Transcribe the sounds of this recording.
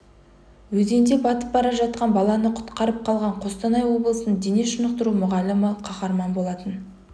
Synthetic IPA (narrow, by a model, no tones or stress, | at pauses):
wɵze̞nd̪e̞bɑt̪əp̚bɑɾɑʒɑt̪̚qɑnbɑlˠɑnəqʰʊ̥t̪qɑɾəp̚qʰɑlˠʁɑɴqʰo̞st̪ɑnɑjwo̞blˠəsənəɴd̪eneʃʊnəq̚t̪əɾumʊʁɑlɪməqʰɑχɑɾmɑnbo̞lˠɑt̪ən